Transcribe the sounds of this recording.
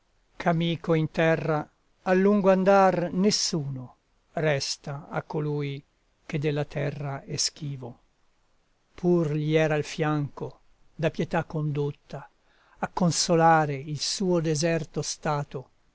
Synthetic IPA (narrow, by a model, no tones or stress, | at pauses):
kʰamiːkoint̪ɛrːa | alːuŋɡoand̪arnesːuːno | rɛst̪aa̰kːoluːj | k̟ed̪ːelːat̪ʰɛrːaɛsk̟iːvo | pʰurʎiɛːɾalfjaŋko | d̪apjɛt̪akːond̪ut̪ːaː | kːonsolaːɾeilsuːod̪ezɛrt̪ost̪aːt̪o